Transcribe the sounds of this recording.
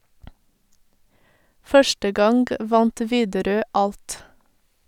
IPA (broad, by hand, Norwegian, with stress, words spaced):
ˈfœʃʈə ˈɡɑŋɡ ˈʋɑnt ˈʋiːdəˌɾøː ˈɑlt